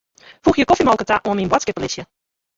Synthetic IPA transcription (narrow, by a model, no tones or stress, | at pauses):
fuxjəkɔfimɔlˠkətaʔoəminmbwatskət̚polɪsjə